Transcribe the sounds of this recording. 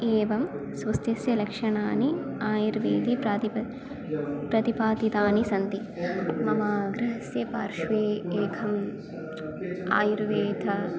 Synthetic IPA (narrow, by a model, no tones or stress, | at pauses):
eːʋɐmsʋɐst̪jɐsjɐlɐkʂɐɳaːniaːjuɾʋeːd̪ip̪i | pɾɐt̪ipaːd̪it̪aːnisɐnt̪i | mɐmaːɡɾɐɦɐsjɐpaːɾʃʋeːeːkʰɐm | a̰ːjuɾʋeːd̪ʰʱɐ